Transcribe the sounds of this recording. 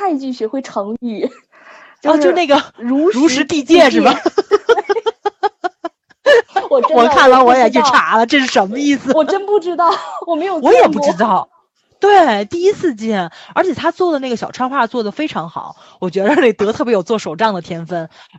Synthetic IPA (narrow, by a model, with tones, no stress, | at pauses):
a˥˧nt͡ɕy˥˩ɕɛ˧˥xwe˥˩ɪʈ͡ʂʰɤ˧˥ŋi˥˩ | o˥˧t͡ɕo˥˧ʊna˥˩ɡə˩ɻu˧˥ɻu˧˥ʂɻ̩˧˥t̪i˥˧t͡ɕjɛ˥˧ʂɻ̩˥˩b | wɔ˨˩˥wɔ˨˩kʰa˥˩nd̪ɑ˥˩wɔ˧˥jɛ˨˩t͡ɕi˥˩ʈ͡ʂʰa˧˥lə˧ʈ͡ʂɤ˥˧ʂɻ̩˥˩ʂə˧˥nmə˧i˥˩sɹ̩˩wɔ˨˩ə˥npu˥˩ʈ͡ʂɻ̩˥t̪ɑ˥˩ʊwɔ˨˩me˧˥ɪjo˨˩wɔ˧˥jɛ˨˩pu˥˧˩ʈ͡ʂɻ̩˥t̪ɑ˥˩ʊ | t̪we˥˩t̪i˥˧i˥t͡sʰɹ̩˥˧t͡ɕjɛ˥˩nə˞˧˥t͡ɕʰjɛ˨˩t̪ʰa˥t͡swɔ˥˩d̪ə˩na˥˩ɡə˩ɕjɑ˨˩ʈ͡ʂʰwa˥nxwa˥˧˩t͡swɔ˥˩d̪ə˩fe˥ɪʈ͡ʂʰɑ˧˥ŋxɑ̰˨˩˦ʊ | wɔ˨˩t͡ɕɥɛ˧˥d̪ə˧˥˧ne˥˩t̪ɤ˧˥t̪ʰɤ˥˩pjjo˨˩ʊt͡swɔ˥˩ʂo˨˩ʊʈ͡ʂɑ˥˩ŋd̪ə˩t̪ʰjɛ˥nfə˥˩n